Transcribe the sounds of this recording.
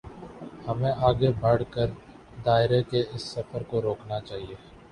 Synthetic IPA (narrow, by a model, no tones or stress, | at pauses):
hɐmẽʔaːɡebɐɽ̤kəɾ | d̪aːɪɾekeɪsːɐfəɾkoɾoːknat͡ʃaːɦieː